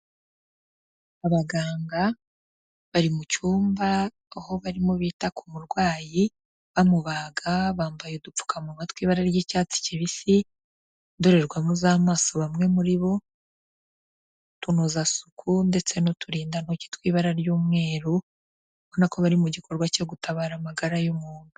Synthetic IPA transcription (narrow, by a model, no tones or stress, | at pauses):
aβaɡaːŋɡa | βaɾimut͡ʃuːmbaː | ho̞βaɾimuβiːtakʰumuɾɡwaːji | βamuβaːɡaβaːmbajodup͡fu̥kʰamuβatwiːβaɾaɾjiːcaːt͡si̥ciβisi | ndoɾe̞ɾɡwamuzaːmaːso̞βamŋe̞muɾiβo̞ | tunozasukʰunde̞t͡se̞no̞tuɾiːndanoci̥twiːβaɾaɾjuːmŋe̞ːɾu | βonakoβaɾimuɟikʰo̞ɾɡwaco̞ɡutʰaβaːɾamaɡaɾajomuːndu